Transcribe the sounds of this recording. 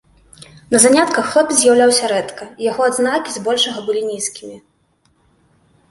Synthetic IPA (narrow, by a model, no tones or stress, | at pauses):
nɐzanʲat̪kɐxlɛpzʲjawlʲawsʲɐɾɛt̪kɐijaɣɔad̪znakʲizbɔlʲʂɐɣɐbɨlʲinʲiskʲimʲi